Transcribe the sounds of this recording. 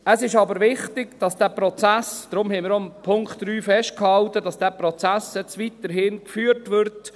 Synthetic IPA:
əsɪʃɑbəɾʋɪχtɪɡd̥ɑsd̥æːpɾɔt͡sæsd̥ɾʊmhɛɪmɪɾompʰʊŋkχtɾyːfɛʃtkhɑltəd̥ɑsd̥æpɾɔt͡sæsɛt͡sʋitəɾɦɪnkfyːəɾtʋʏɾt

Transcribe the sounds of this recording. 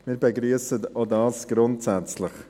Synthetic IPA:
miːɾbeɡɾyːəsətodɑːsɡ̥ɾʊntsæt͡slɪχ

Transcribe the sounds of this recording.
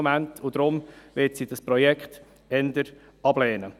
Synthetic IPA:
mæntʰʊd̥ɾʊmʋɪtsid̥ɑspɾɔjɛkχt | ɛnd̪əɾ | ɑblɛːnə

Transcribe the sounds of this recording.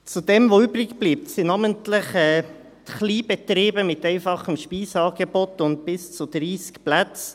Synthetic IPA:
t͡sudɛmʋoybɾɪɡb̥liːp̚tsɪnɑməntlɪχɛː | tχliːbɛt̪ɾiːbəmɪtɛɪfɑχəmʃpiːsɑːɡɛbotʊnt̚pɪst͡sud̪ɾiːskplæt͡s

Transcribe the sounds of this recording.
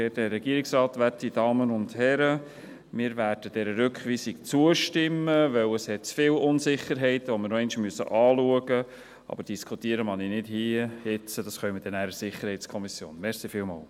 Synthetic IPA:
ɛtdɛɾːɛɡ̥iəɾiksɾɑːtʋætid̥ɑːmənʊndhɛɾə | mɪːɾværd̥əd̥ɛɾəɾʏkχʋiːsikt͡suəʃtɪmːəʋœwəshɛt̚t͡sfɪːlʊnsɪχəɾɦɛɪtʋɔmɪɾnɔɛɪnʃmyəsə̰ʔɑːluəɡə | ɑ̰b̥əɾd̥iskʰutiːəɾəmɑninɪdhiːhɪt͡sədɑsχœʏməd̥ɛnæːɾəsɪχəɾhɛɪt̪skʰɔmisjo̰ːnmɛɾsifɪlmɑ̰ːl

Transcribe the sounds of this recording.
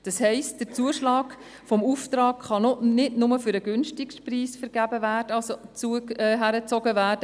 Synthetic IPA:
d̥ɑshɛɪst̚d̥ət͡suəʃlɑːk | fɔmuftɾɑːkχɑnɔnɪdnʊməfyɾəɡʏnʃtɪkʃpriːsfəɾɡæbəvæːrd̥əɑlsot͡suəɛɦæɾət͡sɔɡəvæːrd̥ə

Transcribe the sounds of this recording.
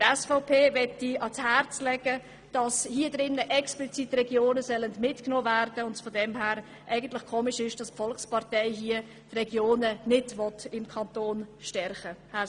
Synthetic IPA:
tɛsfɔʊpʰeːvɛtːiɑshæɾt͡slɛɡ̥ə | d̥ɑshiədɾɪnːəʔɛksplit͡sitrɛɡjoːnəsœləndmɪtknoːvæːɾd̥əʊndfɔdɛmɦæːɾ | ʔɛɪɡən̩tlɪχkʰoːmɪʃɪʃd̥ɑspfɔlkspɑɾtɛɪɦiə | trɛɡjoːnənɪtʋɔtɪmkʰɑntoːnʃtɛrχəhæ

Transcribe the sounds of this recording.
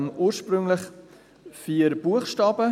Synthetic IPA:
nʔuːɾʃpɾʏŋlɪχ | fiːəɾb̥uəχʃtɑːbə

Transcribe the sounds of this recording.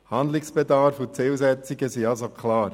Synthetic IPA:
hand̪lɪksb̥ɛdɑɾfut͡sɪlzɛt͡sɪɡəsiɑlzokʰlɑːɾ

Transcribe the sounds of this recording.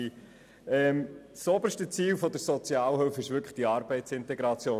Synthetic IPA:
ɛmsobəɾʃtət͡siːlfɔd̪əɾsɔt͡sjɑːlhʏlfɪʃʋʏɾkχχd̥iɑɾbɛɪtsɪntɛɡɾɑt͡sjoː

